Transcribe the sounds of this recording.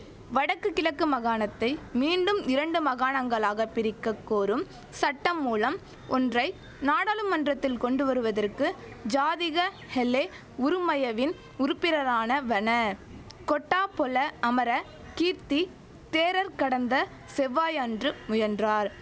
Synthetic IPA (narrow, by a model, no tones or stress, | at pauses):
ʋɐɽɐkːɯkːɪlɐkːɯmɐɣaːnɐt̪ːɐɪmiːɳɖɯmɪɾɐɳɖɯmɐɣaːnɐŋɡɐɭaːɣɐpːɪɾɪkːɐkːoːɾɯm | sɐʈːɐmːuːlɐm | ɔndrɐɪ | naːɽaːlɯmːɐndrɐt̪ːɪlkɔɳɖɯʋɐɾɯʋɐðɐrkɯ | d͡ʒaːðɪɣɐ | hɛlːe | ʊɾɯmɐjɐʋɪn | ʊɾɯpːɪɾɐɾaːnɐʋɐnɐ | kɔʈːaːpɔlɐɐmɐɾɐ | kiːɾt̪i | t̪eːɾɐɾkɐɽɐnd̪ɐ | sɛʋːaːjandrɯmʊjɐndraːɾ